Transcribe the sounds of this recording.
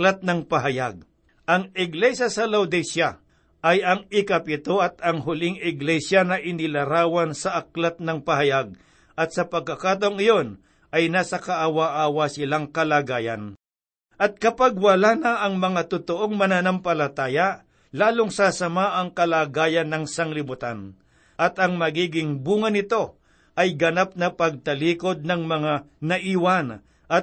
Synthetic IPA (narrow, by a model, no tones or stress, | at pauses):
lat̪̚nɐŋpɐɦɐjaɡ̚ | ʔɐŋɪɡlɛʃjasɐlawd̪ɛsja | ʔɐjɐŋɪkɐpɪt̪o̞ɐt̪ɐŋɦʊlɪŋɪɡlɛsjanɐʔɪnɪlɐɾaːwɐnsɐʔɐk̚lat̪̚nɐŋpɐhɐjaɡ̚ | ʔɐt̪̚sɐpɐɡ̚kːɐkaːt̪̬ɐoŋɪjon | ʔɐjnaːsɐkɐʔawaʔaːwasɪlaŋkɐlaːɡaːjɐ̰n | ʔɐt̪̚kɐpaɡ̚wɐlaːnɐʔɐŋmɐŋat̪ʊt̪oʔo̞ŋmɐnanɐmpɐlɐt̪aːjɐ | laːloŋsasɐmaʔɐŋkɐlaːɡaːjɐnːɐŋsɐŋlɪbʊt̪an | ʔɐt̪ɐŋmɐɡiːɡɪŋbuːŋɐnɪt̪o̞ | ʔɐjɡɐnap̚nɐpɐɡ̚t̪ɐliːko̞d̪̚nɐŋmɐŋa | nɐʔiːwan | ʔɐ